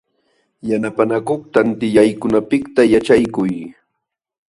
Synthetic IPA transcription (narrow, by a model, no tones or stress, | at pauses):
janapanakoχt̪ant̪ɪjajkʊnapɪkt̪ajat͡ʃajkʊj